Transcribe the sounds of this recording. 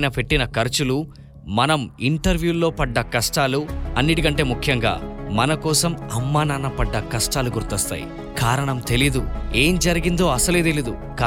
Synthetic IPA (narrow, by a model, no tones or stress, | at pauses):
nɐpe̞ʈːinɐkɐɾt͡ʃulu | mɐnɐmiɳʈɐɾʋjuːlo̞ːpɐɖːɐkɐʂʈaːluɐnːiʈikɐɳʈe̞ːmukʰjɐŋɡa̰ːmɐnɐkɔːsɐmɐmːaːnaːnɐpɐɖːɐkɐʂʈaːluɡuɾt̪ɔst̪a̰ːjḭ | kaːɾɐɳɐmt̪e̞lid̪ue̞ːmd͡ʒɐɾiɡind̪o̞ːɐsɐleːt̪elid̪u | kː